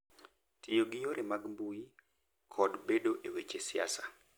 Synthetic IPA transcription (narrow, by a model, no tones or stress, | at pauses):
tʰɪjoɡɪjoɾemaɡmbui | kʰɔdbedoʔewet͡ʃesia̰sa